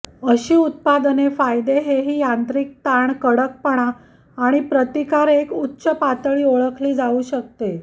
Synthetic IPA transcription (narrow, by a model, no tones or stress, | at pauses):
əɕiːut̪̚pad̪ənefajd̪eɦeɦiːjant̪ɾiːk̚t̪aɳkəɽək̚pəɳ̃aː | ɽ̃ipɾət̪ikaɾekutːɕəpat̪əɭiːoɭəkʰliːd͡zauːɕək̚t̪e